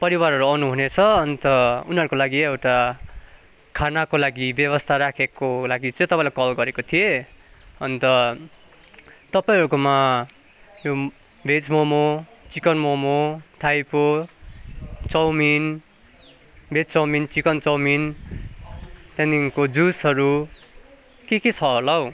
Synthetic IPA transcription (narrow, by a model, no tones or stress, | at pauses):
pʌɾiwarɦʌɾuʌnuɦunet͡sʰʌʌnt̪ʌuniɦʌɾukolaɡiewʈa | kʰanakolaɡibjʌβʌst̪ʰaɾakʰekolaɡit͡sʌ̃j̃t̪ʌpaĩlakʌlɡʌɾekot̪ʰije | ʌnt̪ʌ | t̪ʌpaĩɦʌɾukoma | jo | bʱed͡zmomot͡sikʌnmomot̪ʰajpo | t͡sʌwmin | bʱet͡st͡sʌwmint͡sikʌnt͡sʌwmin | t̪jãniŋkod͡zusɦʌɾu | keket͡sʰʌɦolʌw